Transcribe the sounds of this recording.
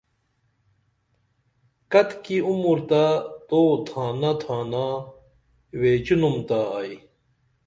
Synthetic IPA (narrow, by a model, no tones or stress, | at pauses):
kɐt̪kiumuɾt̪at̪oːt̪ʰaːnɐt̪ʰaːna | weːt͡ɕunumt̪aaj